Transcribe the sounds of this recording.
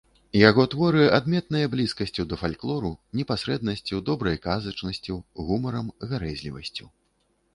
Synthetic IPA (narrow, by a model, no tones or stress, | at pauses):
jaɣɔt̪vɔɾɨʔad̪mʲɛt̪̚nɐjɐblʲiskɐsʲt͡sʲuwd̪ɐfalʲklˠɔɾunʲɛpasɾɛd̪̚nɐsʲt͡sʲiwd̪ɔbɾɐjkazɐt͡ʂnɐsʲt͡sʲiwɣumɐɾɐmɣaɾɛzʲlʲivɐ̰sʲt͡sʲuw